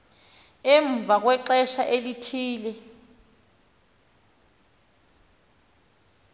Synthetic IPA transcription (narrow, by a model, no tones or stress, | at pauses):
ɛɱb̪vʱak̬wɛǃɛʃaʔelitʰiːlɛ